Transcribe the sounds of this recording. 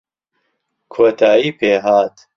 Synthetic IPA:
kʰoːt̪ʰaːiːpʰeːɦaːt̪

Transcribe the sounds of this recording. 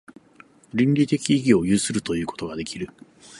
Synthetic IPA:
ɾʲĩɲɾʲit̪e̞kʲiːɡʲio̞jɯːsɨɾɯ̟t̪o̞jɯ̟ːko̞t̪o̞ɡad̪e̞kʲiɾɯ̟

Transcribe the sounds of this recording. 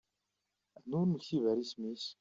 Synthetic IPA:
nʊɾməçivæɾismis

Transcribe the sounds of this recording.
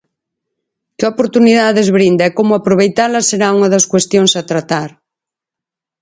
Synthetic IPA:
keopoɾt̪uniðaðezβɾind̪aɛkomʊapɾoβ̞ejt̪alɐseɾauŋaðɐskwest̪joŋsat̪ɾat̪aɾ

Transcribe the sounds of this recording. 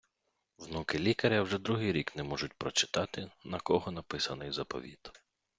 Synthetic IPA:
wnukɪlʲikɐɾʲɐwʒɛd̪ɾuɦɪjɾʲiknɛmɔʒʊt̚ʲpɾɔt͡ʃɪ̥t̪ɑt̪ɪnɐkɔɦɔnɐpɪsɐnɪjzɐpɔ̰ʋʲḭt̪

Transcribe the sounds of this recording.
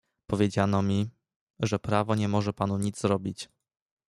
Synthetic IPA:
pɔvʲjed͡ʑanɔmʲi | ʐɛpɾavɔɲɛmɔʐɛpanuɲid̪zzɾɔbʲit͡ɕ

